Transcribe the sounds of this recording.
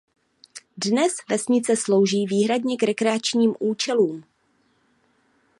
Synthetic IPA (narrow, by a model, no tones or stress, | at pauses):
dnɛsvɛsɲɪt͡sɛslo̞wʒiːviːɦɾadɲɛkɾɛkɾɛat͡ʃɲiːmʔuːt͡ʃɛluːm